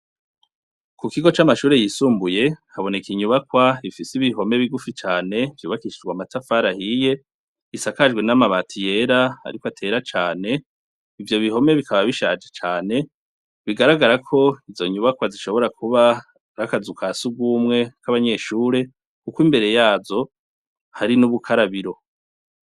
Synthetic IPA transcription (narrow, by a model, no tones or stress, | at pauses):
kukiɡo̞t͡ʃamaʃuːɾe̞jisuːmbuje̞haβo̞nekiɲuβakwaifisiβiɦo̞me̞βiɡufit͡ʃaːne̞vjuːβakiʃid͡ʒɡwamatafaɾahije̞ | isakaʒɡwe̞namaβatʰije̞ɾaa̰ɾikwoatʰe̞ɾat͡ʃaːne̞ | ivjo̞βiho̞me̞βikʰaβaβiʃaːd͡ʒet͡ʃaːne̞ | βiɡaɾaɡaɾakʰo̞izo̞ɲuβakwaziʃo̞βo̞ɾakʰuβa | ɾakazukʰasuɡwuːmŋe̞kaβaɲe̞ʃuːɾe̞ | kukimbe̞ɾe̞jaːzo̞ | haɾinuβukʰaɾaβiɾo̞